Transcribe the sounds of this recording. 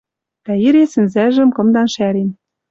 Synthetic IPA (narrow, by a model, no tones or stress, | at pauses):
t̪æiɾesɘ̆nzæʒɘ̆mkɤ̆md̪ɑnʃæɾen